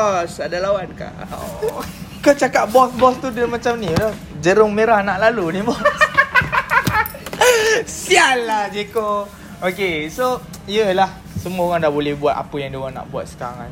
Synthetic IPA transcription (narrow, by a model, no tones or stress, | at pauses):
ɔsadalawanka̰ʔo̰ | kət͡ʃakat̪̚bɔsbɔst̪udəmat͡ʃamnilɔ | d͡ʒəɾʊŋmeɾahnaʔlalunibɔ | siallahd͡ʒeko | okeso | ijəlah | səmuaoɣaŋdahbolɛhbuat̪̚a̰pəjaŋdioɣaŋna̰ʔbua̰t̪̚sə̥kaɾaŋa̰n